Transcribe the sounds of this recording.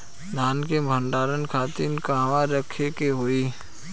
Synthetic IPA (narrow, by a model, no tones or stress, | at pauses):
d̪ʱaːnkebʱəɳɖaːɾənkʰaːt̪inkaːʋaɾəkʰekeɦoːiː